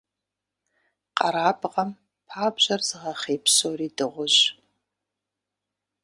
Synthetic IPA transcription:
qʼɐɾaːbʁɐm | pʰaːbʑɐrzɨʁɐχeːpʰsoːriːdɨʁʷʊʑ

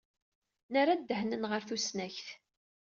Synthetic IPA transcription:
nəɾad̪ːəhnənʁəɾθusnæçθ

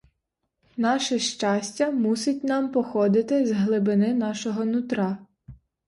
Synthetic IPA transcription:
nɑʃɛʃt͡ʃɑsʲtʲɐmusʊtʲnɑmpɔxɔd̪ɪt̪ɪzɦlˠɪbɪnɪnɑʃɔɦɔnʊt̪ɾɑ

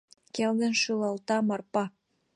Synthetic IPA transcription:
keld̪ə̆nʃylɑlt̪ɑmɑrpɑ

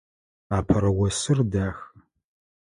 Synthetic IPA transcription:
aːpʰɐɾɐwɐsɨrdaːx

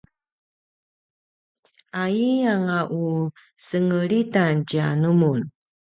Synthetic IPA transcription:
aiaŋaʔu | səŋəɾitant͡ɕianumun

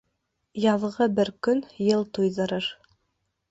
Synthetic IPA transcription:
jɑðʁɤbɘɾkɵnjɤlˠt̪ujðɤ̆ɾɤɾ

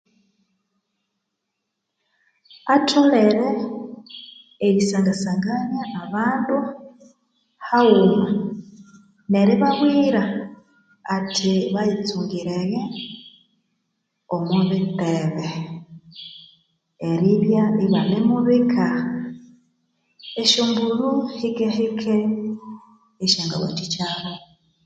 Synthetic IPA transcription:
atʰoleɾe | jisaːŋɡasaŋɡanjaːβaːndu | hauma | neɾiβaβwiːɾaː | tʰiβajit͡suŋɡiɾeɣe | omuβiteβe | eɾiβjaiβanemuβikʰa | eʃuːmbuɾuhiɡehikʰe | eʃaːŋɡa̰wa̰tit͡ʃaβo

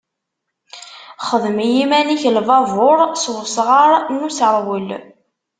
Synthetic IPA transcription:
χəðmijimæniçəlvɑvʊɾˤsðsʁaɾˤnːusɾˤwəl

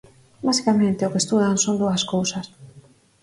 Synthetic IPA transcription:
basi̥kamẽnt̪eokest̪uðanso̞nd̪uaskowsas

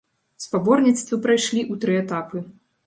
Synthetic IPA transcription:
spabɔrnʲit̪st̪vɨpɾajʂlʲiʔut̪ɾɨɛt̪apɨ

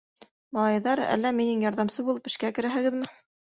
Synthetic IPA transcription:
mɑlˠɑjðɑɾæ̰lːæminɘŋjɑɾðɑmsɤbulˠɤpɘ̆ʃkækɘ̆ɾæɦɘ̆ɡɘðmɘ

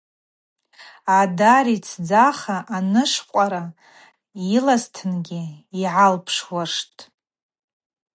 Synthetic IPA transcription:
adaɾit͡sʰd͡zaχaʔanɨʂqʷʼaɾa | ilastʰɨnɡʲiiʕalpʰʂwaʂtʼ

